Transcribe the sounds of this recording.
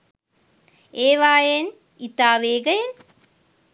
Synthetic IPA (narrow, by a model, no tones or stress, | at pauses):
eːʋaːjen | it̪aːʋeːɡɐjen